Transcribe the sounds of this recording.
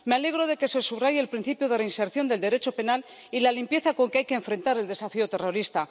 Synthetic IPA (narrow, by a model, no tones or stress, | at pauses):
meale̞ɣ̞ɾo̞ð̞e̞ke̞se̞suβrajeːlpɾin̟θipjoðelainse̞ɾθjo̞nd̪e̞ld̪e̞ɾe̞t͡ʃo̞pe̞nal | ilalimpje̞θako̞ŋkeajkeeːɱfɾe̞nt̪aɾe̞ld̪e̞safiot̪e̞ro̞ɾist̪a